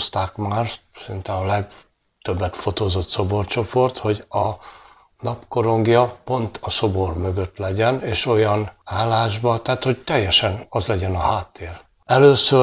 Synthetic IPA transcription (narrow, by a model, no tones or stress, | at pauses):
st̪aːkmaːrsint̪ɛɒlɛɡ | t̪øbːɛt̪fo̞t̪oːzo̞t̪so̞bo̞rt͡ʃo̞po̞rt̪ho̞ɟɒ | nɒpko̞ɾo̞ŋɡjɒpo̞nt̪ʰɒso̞bo̞rmø̞ɡøt̪lɛɟɛneːʃo̞jɒnaːlːaːʒbɒt̪aːt̪ho̞ɟt̪ɛjːɛʃɛnɒzlɛɟɛnɒɦaːt̪ːeːr | ɛløːsø